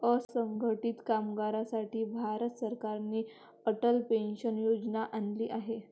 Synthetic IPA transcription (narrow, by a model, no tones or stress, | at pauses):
əsəŋɡʱəʈiːt̪kamɡaɾasaʈiːbʱaɾət̪səɾkaɾniː | əʈəlpenɕənjod͡znaʔanliːʔaɦe